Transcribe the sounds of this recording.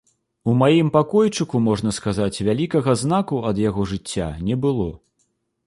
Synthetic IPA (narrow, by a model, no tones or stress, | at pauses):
umajimpakɔjt͡ʂɨkumɔʐn̪ɐskazat͡sʲvʲalʲikɐɣɐzn̪akuɐd̪jaɣɔʐɨt͡sʲːa̰nʲɛbɨlˠɔ